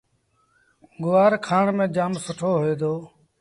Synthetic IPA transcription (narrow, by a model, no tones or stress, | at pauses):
ɡʊʋaːɾkʰaːɳmẽːd͡ʒaːmsʊʈʰoːɦoeːd̪oː